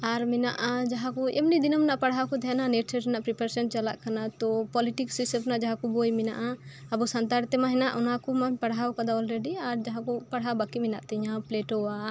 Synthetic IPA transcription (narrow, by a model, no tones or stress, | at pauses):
aɾmɛna̰ʔad͡ʒaɦãkɔɛ̰mnid̪inɔmnaʔpaɽɦawkɔd̪ɛananɛʈsʰɛʈɛnaʔpɾipaɾsɛɳt͡ʃala̰ʔkanat̪ɔpɔliʈiksisɛpnaʔd͡ʒaɦãkɔbojmɛna̰ʔaabɔsant̪aɾt̪ɛmãɦɛnaʔɔnakɔmanpaɽɦawkad̪aɔlɾeɖiaɾd͡ʒaɦãkɔpaɽɦawbakimɛna̰ʔt̪ɛɲãpleʈɔwa